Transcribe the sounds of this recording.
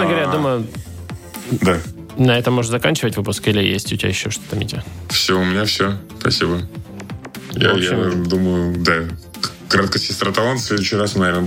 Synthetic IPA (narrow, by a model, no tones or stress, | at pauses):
nəɡəɐɾʲajad̪uməjʊ | d̪a | nɐɛt̪əmoʐɨnzɐkanʲt͡ɕɪvətʲvɨpʊskilʲɪjḛsʲtʲʊtʲɪa̰ɪɕːoʂt̪o̥t̪əmʲɪ̰tʲɪfsʲɪvoʊmʲɪnʲafsʲɪospɐ̰sʲibə | ja̰ojaɪd̪uməjʊd̪a | k | kːɾat̪kəsʲɪst̪ɾət̪ɐlˠont̪sʲlʲed̪ʊɕːɪɾasnɐvʲenə